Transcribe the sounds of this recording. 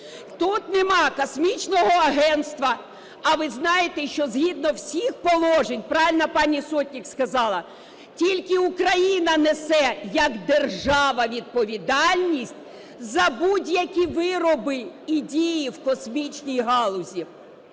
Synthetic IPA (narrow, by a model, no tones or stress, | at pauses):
t̪ut̪nɛmɑkɔsmʲit͡ʃnɔɦɔɐɦɛnst̪ʋɐ | ɐʋɪznɑjet̪ɛʃt͡ʃɔzɦʲid̪̚nɔwsʲixpɔlˠɔʒenʲpɾɑʋʲɪlʲnɐpɑnʲisɔtʲnʲikskɐzɑlˠɐ | tʲilʲkɪukɾɐjinɐnesɛjɐkd̪erʒɑʋɐʋʲid̪̚pɔʋʲid̪ɑlʲnʲisʲtʲ | zɐbudʲjɐkʲiʋɪɾɔbɪidʲijiwkɔsmʲit͡ʃnʲijɦɑlˠʊzʲi